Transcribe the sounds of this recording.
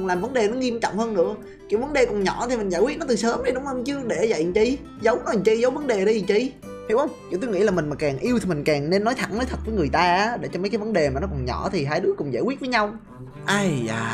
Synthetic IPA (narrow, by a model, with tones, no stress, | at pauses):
ŋlaː˨˩mvə˨˦nɗe˨˩nɔ˨˦ŋi˧əmt͡ɕɔ̰˧˨wŋ͡mhəː˧nːɨ̰˧˥ə | ki˧˩əwvə˨˦nɗe˨˩kɔ˨˩nɲɔ˧˩t̪i˨˩mï˨˩ŋza̰ː˧˩jwi˦˥t̚nɔ˨˦t̪ɨ˨˩səː˨˦mɗə˧jɗʊ˨˦ŋ͡mhəː˧t͡ɕɨ˧˦əɗe˧˩za̰˧˨jt͡ɕi˧ | zə˨˦wnɔ˨˦˨t͡ɕi˧zə˨˦wvə˨˦nɗe˨˩ɗi˧jt͡ɕi˧ | h̪i˧˦˥wʔə˧wŋ͡mt͡ɕṵ˧˥t̪o˧jŋḭ˧˥laː˨˩mï˨˩ŋ̟maː˨˩kaː˨˩ŋʔi˧əwt̪ʰi˨˩mï˨˩ŋ̟kaː˨˩ŋne˧nːɔ˨˦jt̪ʰa̰˧˩ŋnəː˨˦jt̪ʰə˨˩t̚vəː˨˦ŋɨ˨˩əjt̪aː˧a˨˦ɗḛ˧˩t͡ɕɔ˧mə˨˦jkaː˨˦jvə˨˦nɗe˨˩maː˨˩nɔ˨˦kɔ˨˩nɲɔ̰˧˩˥t̪ʰi˨˩ɦaː˧jɗɨ˨˦˥əkʊ̰˧˩ŋ͡mzaː˧jkwi˦˥t̚vəː˨˦jɲa˧w | ʔa˧za̰ː˧˩